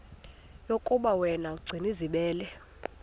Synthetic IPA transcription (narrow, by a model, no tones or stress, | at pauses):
jokʼuɓawɛnaɡ͡ǀʱiniziɓɛːlɛ